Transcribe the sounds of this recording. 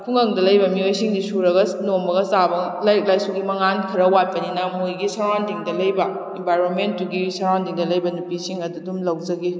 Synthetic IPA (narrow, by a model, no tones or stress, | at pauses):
kʰuŋɐŋdɐlɐjbɐmiojsiŋdisuɾɐɡɐnomɐɡɐsabɐlajk̚lajsuɡimɐŋankʰiɾɐwat̚pɐninɐmojɡisɐɾwandiŋdɐlɐjbɐ | embajɾonmentːuɡisɐɾwandiŋdɐlɐjbɐnupisiŋɐdudumlɐwd͡ʒɐɡi